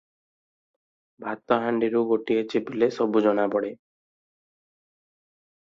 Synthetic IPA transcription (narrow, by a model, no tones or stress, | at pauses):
bʱat̪ɔɦaɳɖiɾuɡoʈiet͡ʃibilesɔbud͡ʒɔnabɔɽe